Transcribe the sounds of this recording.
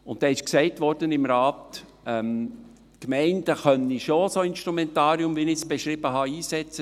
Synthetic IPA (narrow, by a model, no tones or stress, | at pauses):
ʊntd̥ɛːɪʃksɛɪtʋɔɾd̥ənɪmɾɑːt̪ | ɛm | kmɛɪndəχœnːiʃosoɪnʃtɾumɛnt̪ɑːɾiʊmʋinɪsb̥eʃɾɪbəɦɑiːsɛt͡sə